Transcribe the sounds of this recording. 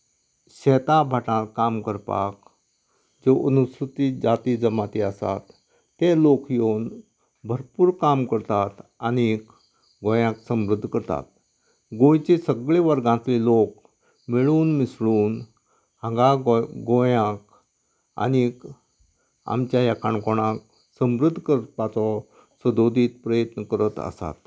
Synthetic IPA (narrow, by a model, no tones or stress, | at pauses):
ɕɛt̪abʱaʈãlkamkəɾpa̰k | d͡zoʔənusɾut̪id͡zat̪id͡zəmat̪iasa̰t̪ː | elokjon | bʱəɾpuːɾkamkəɾt̪at̪anik | ɡõjãksəmɾud̪ʱːkəɾt̪a̰t̪ | ɡõjt͡ɕesəɡɭeʋəɾɡãt͡s̪lelok | miɭuːnmisɭuːn | hə̃ɡaɡõjãk̚ | a̰nik | a̰mt͡ɕjajakʰaɳkoɽ̃ãk | səmɾud̪ʱːkəɾpat͡sɔ | səd̪od̪ʱiːt̪pɾəjət̪nəkəɾət̪ə̰sa̰t̪